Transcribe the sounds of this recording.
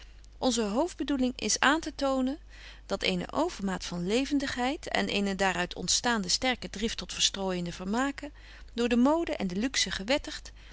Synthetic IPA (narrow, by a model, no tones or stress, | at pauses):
ʔɔnzəɦowvd̚bədulɪŋʔɪ̰saːntətownən | dɑtejnə̰ʔowvəɹmaːtfɑnlejvəndəχɦɛjtɛ̰nʔejnədaːɾœɥtʰɔ̰ntstaːndəstɛɹkədrɪftɔtfəɹstroːjəndəvəɹmaːkə | dʊːɹdəmowdəʔɛndəlyksəχəʋɛtəχt